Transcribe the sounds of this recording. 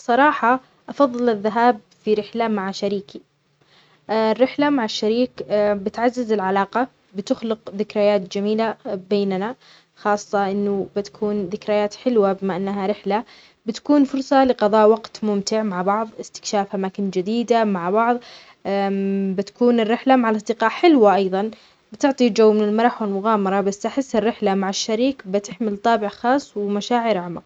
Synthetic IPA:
sˤɑɾˤɑːħɑ | ʔɑfɑðˤːɨlɪðːaɦaːb | fiɾɪħlamaʕaʃaɾiːki | rːɪħlamaʕaʃːaɾiːkbɪt̪ʕazːɪzɪlʕalaːqɑ | bɪt̪ʊxlɪqðɪkɾajaːt̪d͡ʒamiːlabeːnna | xɑːsˤːɑʔɪnːʊbɪt̪ḁkʰuːnðɪkɾajaːt̪ħɪlwabɪmaʔanːaɦaɾɪħla | bɪt̪ḁkuːnfʊɾˤsˤɑlɪqɑðˤɑːʔwɑɡt̪mʊmt̪ɪʕmaʕbɑʕðˤɪst̪ɪ̥kʃaːfʔamaːkɪnd͡ʒɪd̪iːd̪amaʕbɑʕðˤ | bɪt̪ḁkuːnɪrːɪħlamaʕalʔɑsˤd̪ɪqɑːʔħɪlwaʔɑjðˤɑn | bɪt̪ʊʕt̪ˤid͡ʒawːmɪnɪlmɑɾˤɑħwɪlmʊɣaːmɑɾˤɑbasːʔaħɪsːɪrːɪħlamaʕɪʃːaɾiːkbɪt̪ɪħmɪlt̪ˤɑːbɪʕxɑːsˤːwɪmaʃaːʕɪɾʕamaq

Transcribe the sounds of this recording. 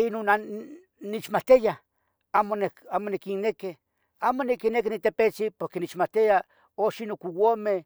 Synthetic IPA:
inona | nit͡ʃmat̪ija | amoneamonikineke | aːmonikinek̬init̪epet͡sipoɾkenit͡ʃmat̪ija | oʃinokuwome

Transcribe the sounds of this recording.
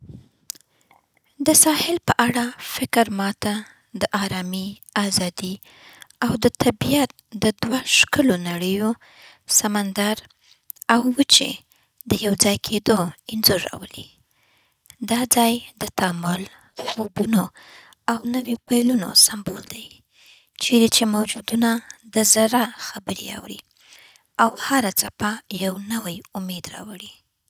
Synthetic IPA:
d̪əsɑhɪlpəʔaɽafɪkɾmɑt̪a | d̪əʔɑɾɑmi | azɑd̪i | awd̪ət̪ʰabijat̪̚d̪əd̪waʃkəlonaɽəjo | samand̪aɾ | awːət͡ʃḛ | d̪əjawd͡zɑjkʰed̪oɪnzuɾɑ̰wəli | d̪ɑd͡zɑjd̪ət̪ɑmʊl | xobuno | awnəwipajluno̰sambold̪aj | t͡ʃeɾet͡ʃemawd͡ʒud̪unad̪əzaɾaxabəɾḛa̰wɾḭ | awhaɾat͡sapajawnəwajʊmed̪ɾɑ̰wəɽi

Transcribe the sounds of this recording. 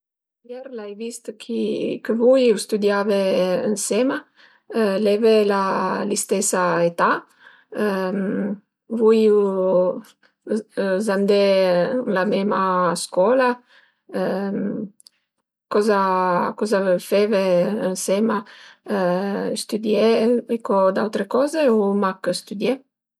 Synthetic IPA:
jɛɾlajvist̪kʰikəvujust̪ud̪javeənsɛma | lɛvelalist̪ɛsaet̪a | vuju | zand̪elamɛmaskɔla | kɔzakɔzavfɛveənsɛma | st̪yd̪jeekɔd̪awt̪ɾekɔzeomakst̪ud̪jɛ

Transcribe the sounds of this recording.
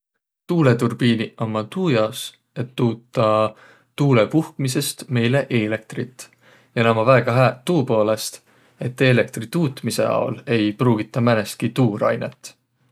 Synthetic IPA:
t̪uːle̞t̪urb̥iːniɑmːɑt̪uːjɑs | e̞t̪ːuːt̪ːˑɑ | t̪uːlepuhkmise̞st̪me̞jle̞ʔeːle̞k̚t̪rit̪ːˑ | jɑnɑmɑvæːɡ̥ɑɦæt̪uːpo̞ːle̞st̪ | e̞t̪ːe̞ːle̞k̚t̪rit̪uːt̪mise̞̰ɑ̰o̰le̞jpruːɡ̥it̪ːˑɑmænest̪̚kit̪uːɾɑ̰jnḛt̪ˑː

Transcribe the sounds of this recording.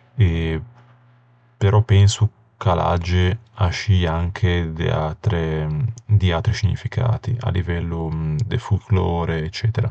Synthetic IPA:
e | peɾʔɔpɛnsu | kala̰d͡ʒːe | aʃiaŋkʰed̪ḛat̪ɾe | d̪iat̪ɾisiɲifikʰa̰ːt̪ia̰livɛlːud̪ḛfulklɔːɾeːt͡ʃːɛːt̪eɾa

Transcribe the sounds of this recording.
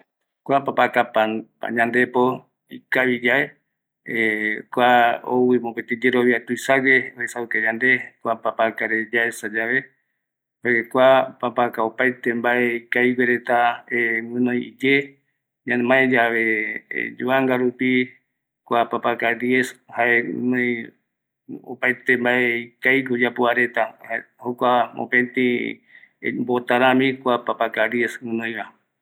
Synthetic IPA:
kʷapapakapapa̰ɲãnd̪epo | ikaβid͡ʒae | ekʷao̰wimopet̪id͡ʒeɾoβiat̪uisaɾeoesaɨked͡ʒand̪ekʷapapakaɾed͡ʒaesad͡ʒaβe | hokʷapapakaopajt̪embaeikajweɾet̪aewɨ̃nõjid͡ʒe | ɲãmaed͡ʒaβḛd͡ʒuaŋɡaɾupi | kʷapapakaɾjeshaenõj | o̰pajt̪embaeikajkod͡ʒapoaɾe̞t̪ahokʷao̰pẽnt̪ḭ̃ | mbot̪aɾãmĩkʷapapakaɾjeswɨ̃nõj̃βa

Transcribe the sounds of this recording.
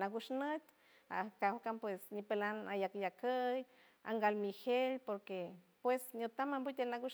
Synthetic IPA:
naɡuʃnət̪ʲ | a̰kawkampwesɲipelanajakjakəj | a̰ŋɡalmihelpoɾke | pwesɲot̪amambut̪elnaɡuʃ

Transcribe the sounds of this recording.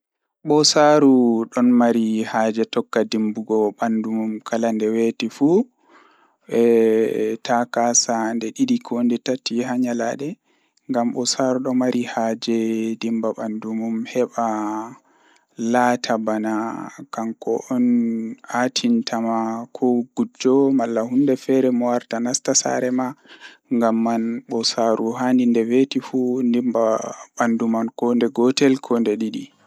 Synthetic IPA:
ɓɔsaɾuɗɔnmaɾihaːd͡ʒɛtɔkːadimbuɡɔɓandumumkʰalandɛwetifu | ɛ | takasandɛɗidikʰondɛtatiɦaɲalaɗɛ | ŋɡamɓɔsaɾuɗɔmaɾihaːd͡ʒɛdimbaɓandumumhɛɓa | latʰabanakaŋkɔ̰ʔɔnatʰintʰamakʰɔɡ̥ud͡ʒɔmalːahundɛfɛɾɛmɔwaɾtanastasa̰ɾɛma | ŋɡamːanɓɔsaɾʔuɦandindɛvetifundimbaɓandumankɔndɛɡɔtɛlkʰɔndɛɗiɗi

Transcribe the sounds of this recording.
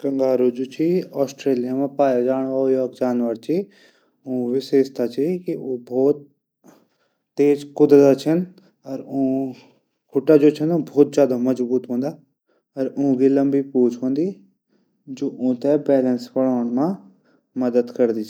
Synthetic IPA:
kɐ̃ŋɡaːɾod͡ʒoːt͡ʃʰiɔːsʈɾeːlijamãpaːjad͡ʒaːɽ̃ajɔːk̚d͡ʒaːnʋəɾt͡ʃʰi | ũːʋɪʃeːʃt̪at͡ʃʰikioːbʱɔːt̪̚ | eːd͡ʒkʊd̪ɾət̪t͡ʃʰɐn | ɐɾʊ̃ | kʰʊʈad͡ʒoːt͡ʃʰɐnũbʱɔːt̪̚zjaːd̪amɐzbuːt̪ɦõːnd̪aː | ɐɾʊ̃ɦɡilɐ̃mbipuːt͡ʃʰɦõːnd̪i | d͡ʒoːʔʊ̃ːt̪ɛbɛːlənspɐɽaːɽ̃mã | mɐd̪əd̪kɐɾd̪it͡ʃʰ

